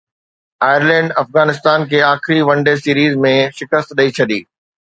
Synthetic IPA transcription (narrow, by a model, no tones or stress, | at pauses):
aːjəɾlɛ̃ːɳɖɐfɣaːnɪst̪aːnkʰeːaːxɪɾiʋɐ̃ɳɖesiːɾiːzmẽʃɪkəst̪ɗɐit͡ɕʰɐɗ̪iː